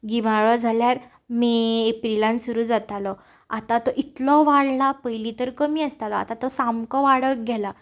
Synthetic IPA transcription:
ɡimaɭɔd͡zʱaljaɾ | miepɾilãnsuɾuːd͡zat̪alɔ | at̪ãt̪ɔʔit̪lɔʋaɽlapəjlit̪əɾkəmiːəst̪alɔa̰t̪ãt̪ɔsamkɔʋaɽək̚ɡɛla

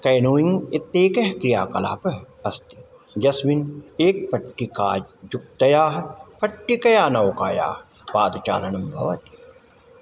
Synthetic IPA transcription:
kɐjnoːĩŋɡɪt̪ːeːkɐɦkɾijaːkɐla̰ːpɐ | ɐst̪i̥ | d͡ʒɐsʋineːk̚pɐʈːikaːd͡ʒd͡ʒuk̚t̪ɐjaːɦpɐʈːikɐjaːnɐwkaːja̰ːh | paːd̪t͡ʃa̰ːlɐnɐmbʱɐ̰ʋɐt̪i̥

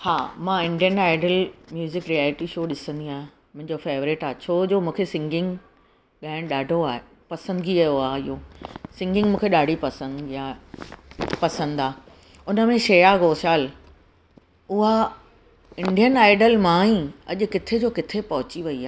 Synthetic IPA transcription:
haːmãːɪ̃ɳɖijənaːɪɖəlmjuːzɪkɾijaːlɪʈiʃoːɗɪsə̃nd̪iaːɦẽ | mʊ̃ɦɪ̃ɲd͡ʑofeːʋɾɪʈaːɦet͡ɕʰoːd͡ʑoːmũːkʰesɪ̃ŋɡɪ̃ŋɡ | ɠaːɪɽ̃ɗaːɖʱoaːɦe | pɐsə̃nd̪ɡiɐjoaːɪɦoːsɪ̃ŋɡɪ̃ŋɡmũːkʰeɗaːɖʱipɐsə̃nd̪iaːe | pɐsə̃nd̪aː | ʊnəmẽʃeːjaɡoːʃaːl | ʊɦa | ɪ̃ɳɖijənaːɪɖəlmãːĩɐʄʊ̆kɪt̪ʰed͡ʑoːkɪt̪ʰepɐɦʊt͡ɕiʋɐiaː

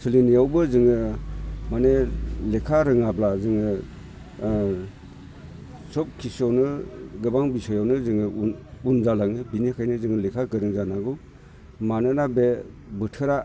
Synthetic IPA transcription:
sɯlinijawbɯzɯŋɯ | manelekʰaɾɯŋablazɯŋɯ | sɔp̚kʰisɔnɯɡɯbaŋbisɔjawnɯzɯŋɯunzalaŋɯbinikʰajnɯzɯŋɯlekʰaɡɯɾɯŋzanaɡu | manɯnabe | bɯtʰɯɾa

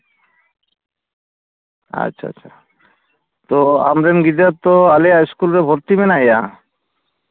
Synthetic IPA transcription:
a̰tːʃʰaa̰t͡ɕʰa | t̪oa̰mɾenɡid̪at̪ːɔaliaskulɾebʱoɾt̪imenaja

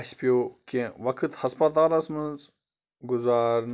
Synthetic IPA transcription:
sʲpijokẽʋɐkʰɨt̪hɐspɐt̪aːlɐsmənz | ɡuzaːɾn

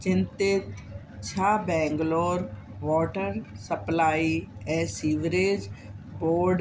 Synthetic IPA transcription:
t͡ʃɪ̃nt̪ɪt̪ | t͡ʃʰaːbɛ̃ːŋɡloːɾ | ʋɔːʈəɾsəplaːiːɛːsiːʋɾeːd͡ʒboːɾɖ

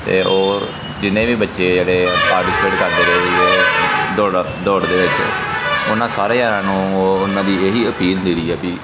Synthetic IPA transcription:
t̪ḛːʔoː | d͡ʒɪnẽːʋiːbətːʃeːd͡ʒeːɽeːpaːɾʈɪspeːʈkəɾd̪eːɾeːoːd̪oːɽ | d̪oːɽd̪eːʋɪt͡ʃ | ʊnãːsaːɾeːjaːɾãːnũːoːʊnãːd̪iːeːɦiːəpiːlnd̪iːɾiːɛːpiː

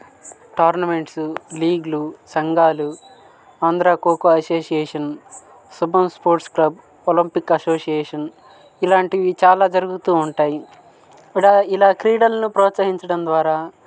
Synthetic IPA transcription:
ʈaːɾnɐme̞ɳʈsuliːɡlusɐŋɡaːlu | aːnd̪ɾaːkoːkoɐsoːsijeːʂɐn | subɐmspoːɾʈsklɐb̚ | olimpikɐsoːsijɛːʂɐn | ilaːɳʈiʋit͡ʃaːlaːd͡ʒɐɾuɡut̪uːɳʈaːji | ilaːilaːkɾiːɽɐlnupɾɔːt̪sɐɦiɲt͡ʃɐɽɐnd̪ʋaːɾaː

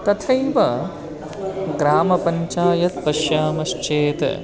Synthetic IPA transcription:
t̪ɐt̪ʰɐjʋɐ | ɡɾaːmɐpɐɲt͡ʃaːjɐt̪̚pɐʃjaːmɐʃt͡ʃeːt̪

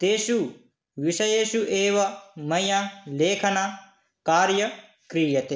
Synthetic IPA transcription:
t̪eːʃu | ʋiʃɐjeːʃuʔeːʋɐmɐjãleːkʰɐnaː | kaːɾjɐ | kɾijɐt̪e

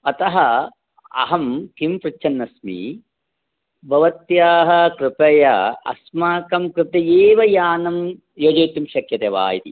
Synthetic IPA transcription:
ɐt̪ɐɦɐ | ɐ̰ɦɐmk̪impɾɪt͡ʃːt͡ʃʰɐnːɐsmḭ | bʱɐʋɐt̪jaːɦɐ̆kɾɪpɐjɐɐ̰smaːkɐmkɾɨp̪eeːʋɐjaːnɐm | joːd͡ʒeːt̪jumʃɐkjɐt̪eːʋa̰ːjit̪i

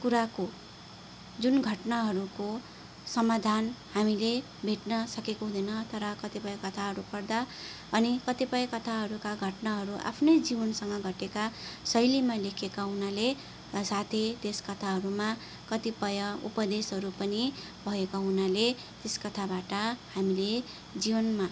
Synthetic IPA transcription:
kuɾako | d͡zunɡʱʌʈnaɦʌɾuko | sʌmad̪ʱanhamile | bʱeʈnʌsʌkekoɦũd̪ʱʌnʌt̪ʌɾʌkʌt̪ipʌjʌkʌt̪ʰaɦʌɾupʌrd̪a | ʌnikʌt̪ipʌjʌkʌt̪ʰaɦʌɾukaɡʱʌʈnaɦʌɾuʔa̰pʰnʌjd͡zibʌnsʌŋɡʌɡʱʌʈekasʌjlimalekʰekaɦunale | sat̪ʰed̪eskʌt̪ʰaɦʌɾuma | kʌt̪ipʌjʌṵpʌd̪esɦʌɾupʌni | bʱʌekaɦunale | t̪eskʌt̪ʰabaʈʌhamile | d͡zibʌnma

